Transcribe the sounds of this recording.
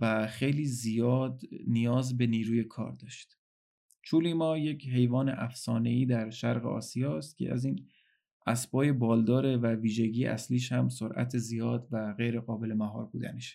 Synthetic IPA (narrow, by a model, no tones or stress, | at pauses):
væxe̞jliːzijɒːd̪nijɒːzbe̞niːɾuːje̞kʰɒ̰ːɾd̪ɒːʃt̪ | t͡ʃʰuːliːmɒːje̞cʰɦe̞jvɒːne̞̰ʔæfsɒːne̞iːd̪æɾʃæɾɣḛɒ̰ːsijɒːst̪̚cʰe̞̰ʔæ̰ziːn | ʔæsbɒːje̞bɒːld̪ɒːɾe̞væviːʒe̞ɟiːjeʔæsliːʃhæmsoɾʔæ̰t̪ʰezijɒːd̪væɣejɾe̞ɣɒːbe̞le̞mæɦɒ̰ːɾbṵːd̪æ̰neʃ